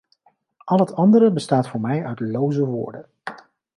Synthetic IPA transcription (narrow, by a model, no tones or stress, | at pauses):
ʔɑlˠɦətɑndəɾəbəstaːtfʊːɹmɛjœɥtlowzəʋʊ̰ːɹdən